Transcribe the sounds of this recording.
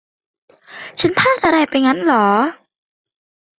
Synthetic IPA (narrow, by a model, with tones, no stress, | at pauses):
t͡ɕʰa˦˥npʰaː˥˩t̪̚ʔa˧ɾa˧˩jpa˧jŋa˦˥nlɔː˩˦